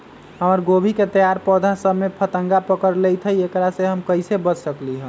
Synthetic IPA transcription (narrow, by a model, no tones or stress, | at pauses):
ɦəməɾɡobʱiket̪əjaɾpɔd̪ʱasəbmepʰət̪əŋɡapəkəɾlejt̪ʰəjekɾaseɦəmkəjsebət͡ʃsəkliɦə̃